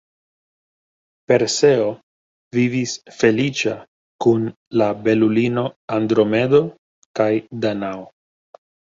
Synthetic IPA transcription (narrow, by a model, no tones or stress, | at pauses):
pe̞ɾse̞o̞ | vivisfe̞lit͡ʃa | kun | labe̞lulino̞andɾo̞me̞do̞ | kajdanao